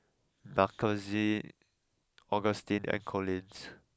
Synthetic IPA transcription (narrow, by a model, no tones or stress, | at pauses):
bakʰəzi | ɔɡəstĩnɛ̰̃nkʰɔlĩns